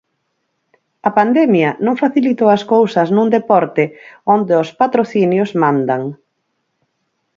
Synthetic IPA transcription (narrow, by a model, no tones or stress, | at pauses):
ɐpand̪ɛmjɐnõŋfaθilit̪oɐskowsɐznũŋd̪epɔɾt̪ɪond̪eospat̪ɾoθinjʊzmãnd̪aŋ